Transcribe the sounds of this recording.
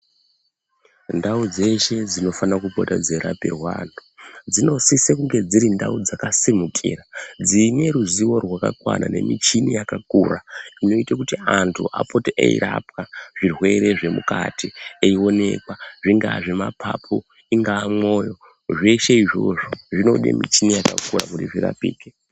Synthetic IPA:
ndaud͡ze̞ʃe̞d͡zino̞fanakupotad͡zeɾapḭrwanud͡zino̞sisekuŋɡe̞d͡ziɾindaud͡zakasimukʰḭrad͡zine̞ɾuziwo̞rwaka̰kwa̰nane̞̰mit͡ʃinijakakuːraino̞itakutiantʰṵʔa̰potiʔḛḭɾap̚kaʐ̥irwe̞ɾe̞ʐe̞muka̰tieio̞ne̞̰kwaʐiŋɡaʐe̞mapʰapʰo | iŋɡaːmo̞jo̞ | ʐe̞ʃeiʐo̞ʐoʐino̞ɗḛmḭt͡ʃinijakakura̰kutiʐira̰piːke

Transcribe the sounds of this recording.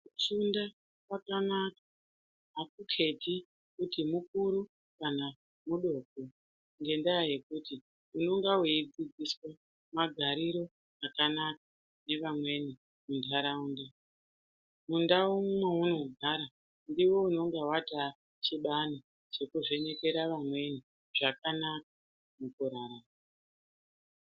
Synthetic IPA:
ut͡ʃunda | kwakanakḁ | ɦakukʰe̞ti | kutimukuɾu | kana | muɗo̞ːko | ŋɡe̞ndajaje̞kuti | uno̞ŋɡaweid͡zid͡ziswa | maɡʱaɾiɾo̞ | akanak̚a | ne̞ʋamwe̞ni | mundʱaɾauːnda | mundaumumeuno̞ɡʱaɾa | ndiwo̞uno̞ŋɡawata | t͡ʃiɓani | t͡ʃe̞kuʐe̞ɲe̞ke̞ɾaʋamwe̞ni | ʐ̥akanak̚ḁ | mukuɾaɾa

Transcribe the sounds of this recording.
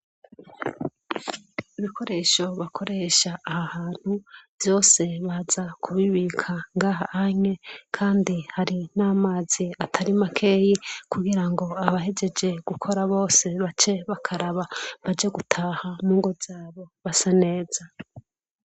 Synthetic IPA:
iβikʰo̞ɾe̞ːʃo̞βakʰo̞ɾe̞ʃaːhahaːn̥huvjo̞ːse̞βazakʰuβiβikʰaŋɡaːɦahaɲe̞kʰaːndihaɾinaːmaːz̥iatʰaɾimakʰe̞ːjikuɡiɾaŋɡo̞aβaɦe̞d͡ʒe̞d͡ʒe̞ɡ̥ukʰo̞ɾaβo̞ːse̞βat͡ʃe̞βakʰaɾaβaβad͡ʒeɡutʰaːhamuːŋɡo̞zaːβo̞βasane̞ːza

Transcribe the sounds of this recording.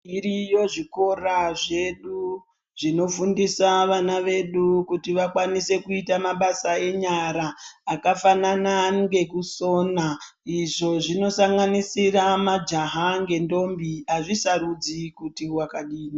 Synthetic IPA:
irijo̞ʐiko̞raʐe̞ɗu | ʐino̞fundisaʋanaʋe̞ɗukutiʋakwanise̞kuitamaɓasae̞ɲaɾaːkafananaŋɡe̞kuso̞ːna | iʐo̞ʐino̞saŋɡanisiramad͡ʒaɦaŋɡe̞ndo̞mbiaʐisaɾud͡zikutiwakaɗiːni

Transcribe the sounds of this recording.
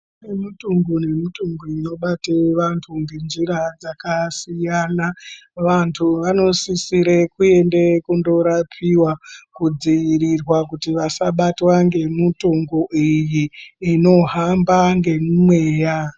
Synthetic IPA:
nemutuŋɡune̞mituŋɡuino̞ɓateʋantʰuŋɡend͡ʒiɾad͡zakasijanaʋantʰuʋano̞sisiɾekue̞ndekundo̞ɾapʰiwakud͡ziʋiɾirwakutiʋasaɓatwaŋɡe̞mutuŋɡoʔijiːno̞ɦambaŋɡe̞mumwe̞ːja

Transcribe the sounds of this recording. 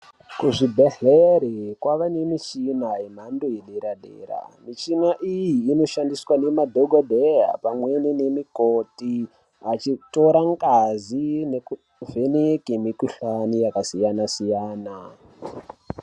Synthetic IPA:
kuʐibʱeɬeɾikwaʋane̞mit͡ʃinaem̤andojeɗeɾaɗḛːɾa̰mit͡ʃinaʔijiːno̞ʃandiswane̞madʱoɡʱodʱeja̰pamwenine̞mikoti | at͡ʃito̞ɾaŋɡazineku | venikemikuɬanijakasijanasijaːna

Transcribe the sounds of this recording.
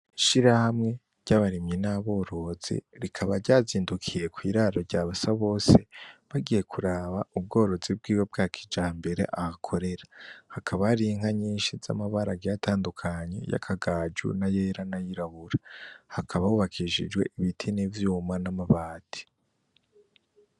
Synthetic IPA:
iʃiɾahamŋe̞ | ɾɟ̥aβaɾimɲinaβo̞ːɾo̞z̥ḭɾikʰaβaɾɟaːziːndukʰije̞kwiːɾaɾo̞ɾɟaːβasaβo̞ːse̞βaɡije̞kʰuɾaːβaub̚ɡo̞ːɾo̞zib̚ɡiːwe̞b̚ɡakʰi̥d͡ʒaːmbe̞ɾe̞̰ʔahakʰo̞ɾe̞ɾahakʰaβaɾiŋ̥haɲiːnʃiza̰maβaɾaɡijatʰaːndukʰaɲe̞̰ja̰kʰaɡaːd͡ʒṵnaje̞ːɾanajiɾaβuɾahakʰaβauβakʰiʃḭd͡ʒɡwe̞̰ʔiβitʰinivjuːmanamaβaːtʰi̥

